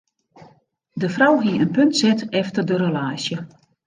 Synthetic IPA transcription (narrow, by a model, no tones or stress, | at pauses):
dəfrɔwɦiəənpøntsɛtɛftərdərəlaːsjə